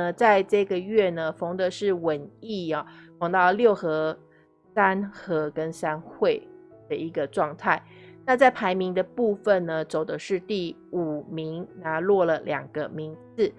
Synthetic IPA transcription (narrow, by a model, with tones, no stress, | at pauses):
ə˨˧t͡sa˥˧ɪʈ͡ʂɤ˥˧ɡə˨ɥɛ˥˩nə˩fo˧˥ŋd̪ə˨ʂɻ̩˥˩wə˨˩ni˥˩ɑ˨˩fɑ˧˥ŋt̪ɑ˥˧ʊljo˥˩ʊxɤ˧˥ | sa˥nxɤ˧˥kə˦˥nsa˥nxwe˥˩ɪ | d̪̥ə˩i˧˥ɡə˧ʈ͡ʂwɑ˥˧ŋt̪ʰa˥˩ɪna˥˧t͡sa˥˩ɪpʰa˧˥ɪmi˧˥ŋd̪ə˧pu˥˧fə˨nnə˩t͡so˨˩ʊd̪ə˦ʂɻ̩˥˧t̪i˥˩u˨˩mi˧˥ŋna˧˥˦lwɔ˥˩lə˩ljɑ̰˨˩ŋɡ̥ə˦mi˧˥ŋt͡s̩˥˩